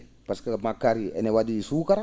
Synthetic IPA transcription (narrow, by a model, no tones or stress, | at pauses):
paskamakaɾiɛ̰nɛwad͡ʒiisukaɾ